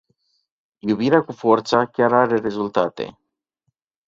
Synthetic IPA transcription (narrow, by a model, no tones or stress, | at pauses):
jubiɾeakufo̞rt̪sakʲaɾaɾe̞ɾe̞zult̪at̪e̞̰